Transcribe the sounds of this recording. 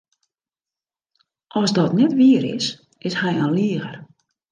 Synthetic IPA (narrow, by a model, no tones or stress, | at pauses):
ʔɔsdɔtnɛtʋiəɾɪ̰s | ɪshɛjanliəɣər